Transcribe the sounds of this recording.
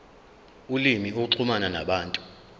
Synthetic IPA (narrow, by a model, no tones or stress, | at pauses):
ulimiukuǀʰumanana̰ɓaːntʼu